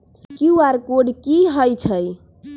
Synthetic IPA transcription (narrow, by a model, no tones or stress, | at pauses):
kiwaɾkoɖkiɦəjt͡ʃʰəj